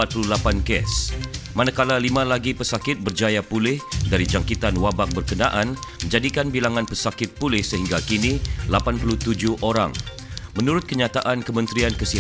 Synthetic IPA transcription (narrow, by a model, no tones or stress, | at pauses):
at̪̚pululapankɛ̰smanakalalimãlaɡipəsakɪt̪̚bərd͡ʒajapulɪhdaɾid͡ʒaŋkit̪anwabak̚bərkənaʔanmə̃ɲd͡ʒadikanbilaŋãnpəsakɪt̪̚pulɪhsəɦiŋɡakinilapanpuluht̪ud͡ʒʊhʔoɾa̰ŋ | mənuɾʊt̪̚kəɲat̪aʔankəmə̃nt̪ɾiankəsi